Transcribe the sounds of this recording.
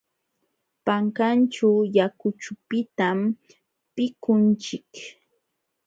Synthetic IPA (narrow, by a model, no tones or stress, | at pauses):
paŋkant͡ʃʊjakʊt͡ʃʊpɪt̪am | pɪkʊnt͡ʃɪk